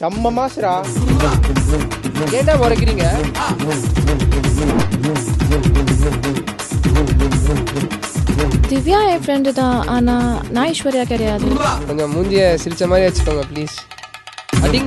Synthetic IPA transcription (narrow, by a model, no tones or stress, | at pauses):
t̪ɐmːɐmaːsɪɾaː | keːʈːãːʋɔɾɐkːɪɾiːŋɡɐ | d̪ɪʋjãːjɐ̃fɾɛɳɖt̪ãːʔaːnaːnãːɪʃʋɐɾɪjaːkɪɽɐjaːðɯkɔɲd͡ʒomuːɲd͡ʒɪjɐsɪɾɪt͡ʃːɐmaːd̪ɾiʋɐt͡ʃːɯ̥kːoːŋɡɐpliːs | ɐɪŋ